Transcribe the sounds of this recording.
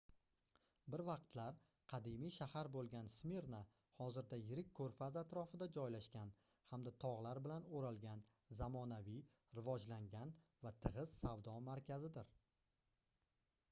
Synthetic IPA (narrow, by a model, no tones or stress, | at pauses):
bɪɾvɑq̚t̪ʰlaɾ | qʰɑd̪imijʃahaɾbolˠɡʲansme̞ɾna | hɒzɪɾd̪ajɪɾɪkʲkʰːɵɾfazat̪ɾɒfɪd̪ad͡ʒɒjlaʃkʲan | hamd̪at̪ʰɒʁlˠaɾbɪlanoɾalˠɡʲan | zamɒnavij | ɾɪvɒd͡ʒlaŋɡʲanvat̪ʰɨʁɨz̥savd̪ɒmaɾkʲʰazɪd̪ɪɾ